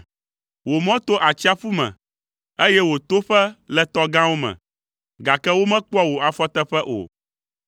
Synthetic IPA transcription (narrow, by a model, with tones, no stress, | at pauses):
wo˨mɔ̃˦t̪o˦ʔa˨t͡ɕi˦a˦ɸu˦mɛ̰̃˨ | e˦jɛ˦wo˨t̪o˦ɸɛ˦lɛ˦t̪ɔ˦ɡã˦wo˦mɛ̰̃˨ | ɡa˨kɛ˦wo˦mɛ̃˦k͡pɔ˦wo˨a˨fɔ˦t̪ɛ˦ɸɛ˦ʔo̰˨